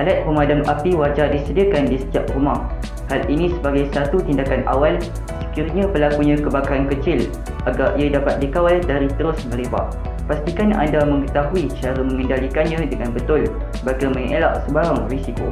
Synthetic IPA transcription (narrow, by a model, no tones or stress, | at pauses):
ʔalat̪̚pəmadamʔapiwad͡ʒardisədiakandisə̥t̪iap̚rumah | halʔinĩsəbaɡajsat̪ut̪indakanʔa̰wal | sə̥kirɲãpəlakuɲãkəbakaɾankət͡ʃɪl | ʔaɡaɾʔiadapat̪̚dikawaldaɾit̪əɾʊsməɾeba̰ʔ | past̪ikana̰ndamə̃ŋət̪aɦuit͡ʃaɾamə̃ŋə̃ndalikanɲãdəŋanbət̪ʊl | bakamə̃ŋela̰ʔsəbaɾaŋrisiko̰